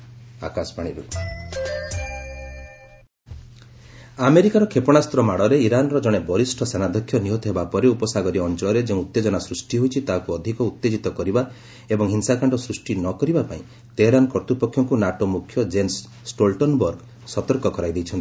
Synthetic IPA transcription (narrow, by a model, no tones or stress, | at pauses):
a̰kasɔ̥paɽ̃iɾṵ | ameɾikaɾɔkʰepɔɽ̃ast̪ɾɔmaɽɔɾeiɾanɔɾɔd͡ʒɔɽ̃ebɔɾisʈʰɔsenad̪ʱɔkʰːjɔniɦot̪ɔɦebapɔɾeupɔsaɡɔɾiɔnt͡ʃɔlɔɾed͡ʒeũut̪ːed͡ʒɔnasɾusʈiɦojt͡ʃʰit̪akuɔd̪ʱikɔut̪ːed͡ʒit̪ɔkɔɾiba | ebɔŋɦinsakʰaɳɖɔsɾusʈinɔkɔɾibapaĩ | t̪eɦɾanɔkɔɾt̪ipɔkʰjɔŋkunaʈomukʰːjɔd͡ʒens | sʈolʈɔnbɔɾɡ | sɔt̪ɔɾkɔkɔɾajd̪ejt͡ʃʰɔnt̪i̥